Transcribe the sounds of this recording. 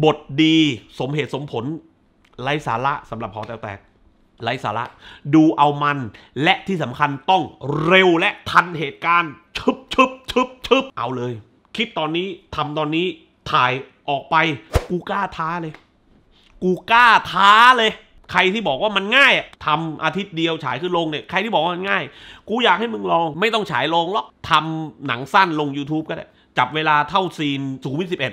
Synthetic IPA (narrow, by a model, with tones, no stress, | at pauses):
bo˨˩t̪̚diː˧so˩˦mɦe˨˩t̪̚so˩˦mpʰo˩˦n | la˦˥jsa̰ː˩˦la˦˥ʔsa˩˦mɾa˨˩p̚ʰːaː˨˩˦t̪ɛː˨˩wt̪ɛ̰ː˨˩k̚ | la˧˥jsaː˨˦la˦˥ʔduː˧ʔa˧wma˧n | lɛ˦˥ʔt̪ʰiː˥˩sa˩˦mkʰa˧nt̪ɔ˥˩ŋɾe˧wlɛ˦˥ʔt̪ʰa˧nɦeː˨˩t̪̚kaː˧nt͡ɕʰɯ˦˥p̚t͡ɕʰɯ˦˥p̚ʰɯ˦˥p̚t͡ɕʰɯ˦˥p̚ʔa˧wlɤː˧j | kʰi˦˥t̪ːɔː˧nːiː˦˥t̪ʰa˧mt̪ɔː˧nːiː˦˥ | t̪ʰaː˨˩j | ʔɔː˨˩k̚pa˧jkuː˧kaː˥˩t̪ʰaː˦˥lɤː˧j | kuː˧kaː˥˩t̪ʰaː˦˥lɤː˧j | kʰa˧jt̪ʰiː˥˩bɔː˨˩k̚waː˥˩ma˧nŋaː˥˩jʔa˨˩t̪ʰa˧mʔa̰ː˧t̪ʰi˦˥t̪̚di˧əwt͡ɕʰa̰ː˩˦jkʰɯː˧˥˩lo˧ŋni˧˩kʰa˧jt̪i˥˩bɔː˨˩k̚wa˥˧ma˧nŋaː˥˩jkuː˧jaː˨˩k̚ha˥˩jmɯ˧ŋlɔː˧ŋma˥˩jt̪ɔ˥˩ŋt͡ɕʰa̰ː˩˦jlo˧ŋlɔ˦˥k̚t̪ʰa˧mna̰˩˦ŋsa˥˩nlo˧ŋjuː˧t̪ʰuː˦˥p̚ka˥˩da˥˩ | t͡ɕa˨˩p̚weː˧laː˧t̪ʰa˥˩wsiː˧nsuː˩˦w̪̚si˨˩pʔe˨˩t̪̚